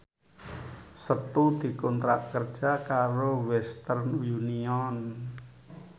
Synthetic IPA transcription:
sət̪ud̪̥i̤kɔnt̪ɾa̰ʔkərd̥ʒ̥akaɾowɛst̪ərnjuniɔn

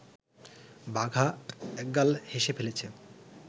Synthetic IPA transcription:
baɡʱaɛk̚ɡalheʃepʰelet͡ɕʰe

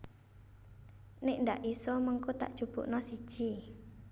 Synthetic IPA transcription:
neʔndaʔisɔmɔŋkut̪a̰ʔdʒ̥ub̥ṵʔnɔsi̥ʒ̥i

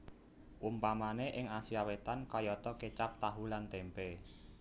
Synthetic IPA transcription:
ʔumpamaneʔɪŋasiawet̪ankɔjɔt̪ɔket͡ʃap̚t̪aɦulant̪ɛmpe

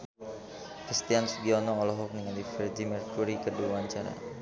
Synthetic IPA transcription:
kɾist̪iansɡiɔnɔɔlɔɦɔk̚nəŋandifɛrdimɛrkuɾikərduaaɲt͡ʃaɾa̰

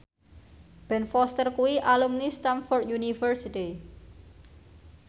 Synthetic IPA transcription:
b̥ɛ̤nfɔst̪ərkuwiʔalumnist̪amfɔrd̪junifərsit̪i

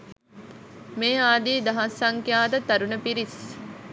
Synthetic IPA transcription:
meːaːd̪iːd̪ɐɦɐsːɐŋkjaːd̪ət̪ɐɾunəpiɾis

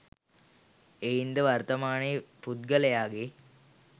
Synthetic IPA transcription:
ejind̪əʋɐrt̪ɐmaːnepud̪̚ɡəlejaːɡe

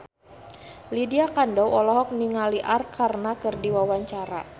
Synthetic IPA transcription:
lidiakandɔwɔlɔɦɔk̚niŋaliʔarkʰarnakɨrdiwawaɲt͡ʃaɾa̰

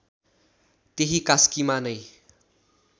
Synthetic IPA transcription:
t̪eɦikaskimanʌj

